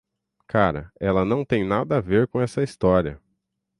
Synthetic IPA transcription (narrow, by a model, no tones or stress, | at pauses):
kʰaɾɐ̰ɛlɐnɐ̃w̃t̪ẽj̃nad̪ɐːveɾkõɛsɐist̪ɔɾiɐ